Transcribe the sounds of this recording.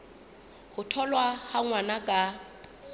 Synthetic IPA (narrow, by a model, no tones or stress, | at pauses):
hʊtʰɔlwahaŋwanakʼa